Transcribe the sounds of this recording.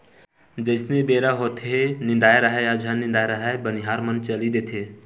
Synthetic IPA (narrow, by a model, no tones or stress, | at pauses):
d͡ʒəɪsnebeːɾaɦot̪ʰenɪ̃nd̪aːjɾəɦaad͡ʒʱanːɪ̃nd̪aːeɾəɦabəniɦaːɾmənt͡ʃəlid̪eːt̪ʰeː